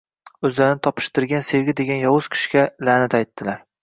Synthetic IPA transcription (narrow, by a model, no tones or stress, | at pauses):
ɵzlaɾɪnɪt̪ʰɒpʰɪ̥ʃt̪ɪɾɡʲanse̞ɡʲɪd̪e̞ɡʲanjɒwʊz̥kʲʰɪ̥ʃkʲalanɪt̪ajt̪ːɪlaɾ